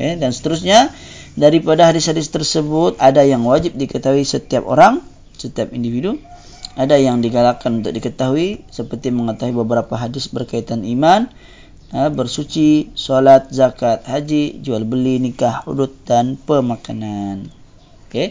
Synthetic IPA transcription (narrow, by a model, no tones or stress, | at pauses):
kedansə̥t̪əɾʊsɲa | daɾipadaɦadɪshadɪst̪ərsəbʊt̪̚adajaŋwad͡ʒɪp̚dikət̪aɦuisət̪iap̚o̰ɾaŋ | sət̪iap̚individu | adajaŋdiɡalakanunt̪ʊ̰k̚dikət̪aɦuisəpərt̪iməŋət̪aɦuibəbəɾapaɦadɪsbərkait̪animan | əbərsut͡ʃisolat̪̚zakat̪̚had͡ʒid͡ʒualbəlinikahṵdut̪̚danpəmakanan | oke